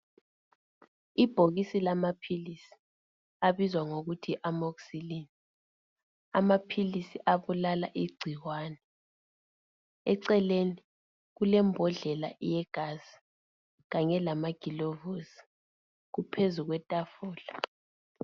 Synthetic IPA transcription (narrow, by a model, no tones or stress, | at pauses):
ib̥ʱoɣisilamapʰilisi̥ | aβizwaŋoɣutʰiʔamokusilini | amapʰilisiʔaβulalaʔiɡ͡ǀʱiwwaːnɛ | ɛǀɛleni | ɣulɛmbʱɔɮɛlaʔjɛɡ̥ʱaz̥i̥ | ɣaɲɛlamaɡ̥ʱilovosi̥ | ɣupʰezuɣwɛtʼafɔːla